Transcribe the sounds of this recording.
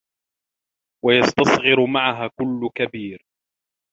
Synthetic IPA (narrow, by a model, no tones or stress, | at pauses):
wajɑst̪ɑsˤɣɨɾʊmaʕaɦaːkʊlːʊkabiːɾ